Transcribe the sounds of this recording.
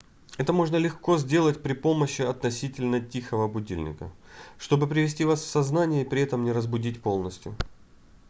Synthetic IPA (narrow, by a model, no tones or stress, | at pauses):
ɛt̪əmo̞ʐnəlʲɪxko̞zʲdʲe̞lˠətʲpɾʲɪpo̞məɕːɪɐt̪nɐsʲitʲɪlʲnətʲixəvəɐbʊdʲḭlʲnʲɪ̰kə̰ | ʂt̪o̞bɨpɾʲɪvʲɪsʲtʲivasfsɐznanʲɪjəipɾʲɪɛt̪əmnʲɪɾəzbʊdʲitʲpo̞lˠnəsʲtʲjʊ